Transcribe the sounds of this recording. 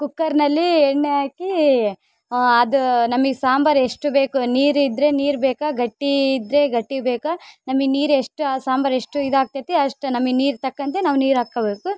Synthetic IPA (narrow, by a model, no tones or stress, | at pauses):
kukːɐɾnɐlːieɳːeaːki | ɐd̪unɐmɐɡesaːmbɐɾeʂʈubeːkuniːɾid̪ɾe̞niːɾbeːkɐɡɐʈːiːd̪ɾe̞ɡɐʈːibeːkɐnɐmɐɡniːɾeʂʈuasaːmbɐɾe̞ʂʈuid̪aːk̚t̪ɐt̪eɐʂʈunɐmːɐɡniːɾt̪ɐkːɐnt̪enaːʋuniːɾaːkːɐbeːku